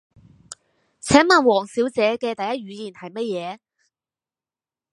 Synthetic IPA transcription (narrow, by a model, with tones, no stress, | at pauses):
t͡sʰɛː˨˥ŋmaː˨˩nwɔː˨˩ŋsiː˨˥wt͡sɛː˨˧˥kɛː˧t̪ɐ˨jɐ˥t̚ɥyː˨˧jiː˨˩nhɐ˨jmɐ˥t̚jɛː˨˧